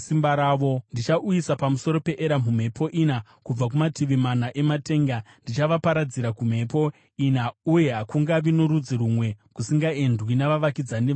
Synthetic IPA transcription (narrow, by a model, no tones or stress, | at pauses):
simbaɾaːʋo̞ndit͡ʃaʔujisapamuso̞ɾo̞pe̞ʔeɾam̤um̤e̞pʰo̞ʔina | kub͡vak̬umatiʋimanaʔe̞mate̞ːŋɡa | ndit͡ʃaʋapaɾad͡ziɾakum̤e̞po̞ | inauje̞ɦakuŋɡaʋinoɾud͡ziɾumwe̞kusiŋɡaendwinaʋaʋakid͡zani